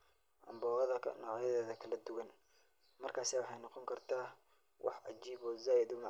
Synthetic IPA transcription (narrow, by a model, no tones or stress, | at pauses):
ʔɐ̰mbɔːɐðɐnɔ̰ːʕjɐðɛːðɐkʰɐlɐd̪ʊwɐn | mɐrkʰaːsɛːwɑħɑjnɑqɔŋkʰɐrt̪ʰaː | wʔɑ̰ħʕɑ̰d͡ʒiːβɔːzaːjɪd̪ʊmɑ